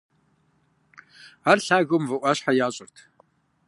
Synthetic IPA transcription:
arɬaːɣʊmvɨʔʷɐɕħajaːɕʼɪrtʰ

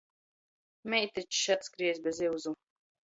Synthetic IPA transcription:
mʲɛjt̪it͡ʃʃat̪skɾiɛzbʲɛziwzu

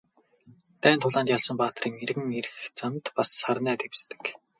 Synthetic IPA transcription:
t̪æːnt̪ʰʊɮaːnt͡ɕ̪jaɮsə̆mpaːt̪̆riːŋeɾɣɘ̆ŋeɾɘ̆xt͡sant̪pasːarnæːt̪ewst̪ɘ̥̆k

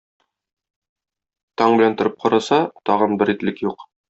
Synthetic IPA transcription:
t̪ɒɴbɘ̆lænt̪ŏɾɘp̚qɒɾɑsɑt̪ɒʁɤnbɘɾit̪lɘkjuq

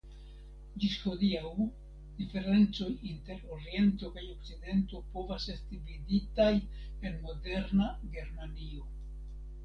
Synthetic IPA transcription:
d͡ʒisho̞diaw | d̥ife̞ɾe̞nt͡so̞jinte̞ɾoɾie̞nto̞kajo̞k̚t͡side̞nto̞po̞vase̞stividitaj | e̞nmo̞de̞ɾnaɡe̞ɾmanio̞

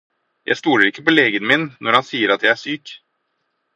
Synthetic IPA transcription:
jʔæ̰ɪst̪uːləɾɪkːəpɔleːɡənmɪnnʔɔɾhɑnsiːəɾɑt̪jæɪæʂyːk

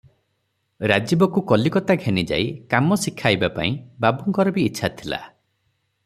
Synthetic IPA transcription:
ɾad͡ʒibɔkukɔlikɔt̪aɡʱenid͡ʒa̰ikamɔsikʰːajbapa̰ĩbabuŋkɔɾɔbiːtːʃʰat̪ʰila̰

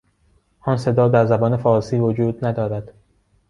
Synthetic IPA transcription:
ʔɒːnse̞d̪ɒːd̪æɾzæbɒːne̞fɒːɾsiːvod͡ʒuːd̪næd̪ɒːɾæd̪̥

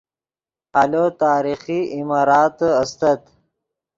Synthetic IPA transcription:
alot̪aːɾixiimɑːɾɑːt̪ɐst̪ɐt̪

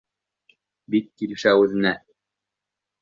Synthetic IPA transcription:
bik̚kilɘ̆ʃæʉðɘ̆næ

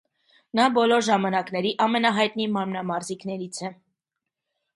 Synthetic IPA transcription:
nɑbɔlɔɾʒɑmɑnɑknɛɾiʔɑmɛnɑɦɑjt̪nimɑɾmnɑmɑɾziknɛɾit͡sʰɛ

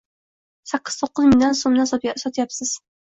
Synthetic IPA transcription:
saqːɨ̥z̥t̪ʰoqːʊzmɪlʲlʲonsomd̪assɒt̪japsɪz̥

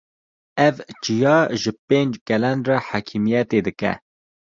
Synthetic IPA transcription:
ɛvt͡ʃijɑːʒɨpeːnd͡ʒkɛlɛnrɛħaːkʰimijɛt̪eːd̪ɨkɛ̰

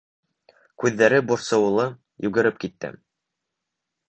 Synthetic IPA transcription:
kʉðːæɾɘbŭɾsɤ̆w̆lˠɤ | jʉɡɘ̆ɾɘp̚kit̪ːɘ̰

